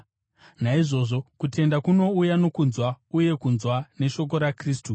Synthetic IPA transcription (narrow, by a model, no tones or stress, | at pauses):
naiʐo̞ːʐo̞kute̞ndakuno̞ujano̞kunzwauje̞kunzwane̞ʃo̞k̬o̞ɾakriːstu